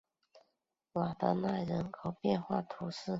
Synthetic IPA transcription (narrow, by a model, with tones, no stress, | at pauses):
wa˨˩d̪ə˧˦na˥˩ɻə˧˥nkʰo˨˩ʊpjɛ˥˧nxwa̰˥˩t̪ʰu˧˥sɹ̩˥˩